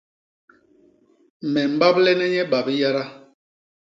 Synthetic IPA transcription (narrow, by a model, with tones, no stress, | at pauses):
mɛ˨m̩˦ba˦blɛ˦nɛ˦ɲɛ˦ɓa˨bi˦ja˦ɾa˦